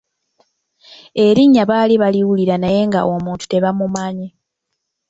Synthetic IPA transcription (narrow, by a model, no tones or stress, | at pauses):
e̞ɾiɲːaβaːliβaliwuliɾanaje̞ŋɡa̰ʔo̞muːntu̥te̞βamumaɲe